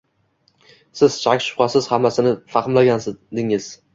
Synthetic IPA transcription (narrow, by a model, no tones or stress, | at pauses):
sɪz̥t͡ʃʰakʲʃʊ̥qɑsɪz̥hamːasɪnɪfɑχɨmlaɡʲand̪ɪŋɪz̥